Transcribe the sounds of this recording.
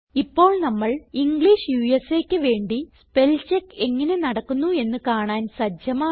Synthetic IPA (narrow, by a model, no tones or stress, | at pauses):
ipːo̞ːɭnɐmːɐɭiŋɡɭiːʂjuːjeseːkʲːɨʋe̞ːɳɖispe̞lt͡ɕekːe̞ŋːɐne̞nɐɽɐkːunːue̞nːɨkaːɳaːnsɐd͡ʑjɐmaː